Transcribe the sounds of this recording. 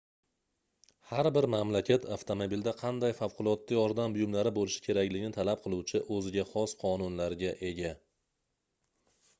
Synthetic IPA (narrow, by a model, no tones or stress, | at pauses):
haɾbɪɾmamlakʲʰat̪ʰaft̪ʰomobild̪aqʰɑnd̪ajfawqʰʊlˠɒt̪ːajɒɾd̪ambʊjʊmlaɾɪbolɪʃɪ̥kʲʰe̞ɾakʲlɪɡʲɪnɪt̪ʰalap̚qʰɨlˠuwt͡ʃʰɪʔɵzɪɡʲaχɒsqʰɒnʊnlaɾɡʲaʔe̞ɡʲa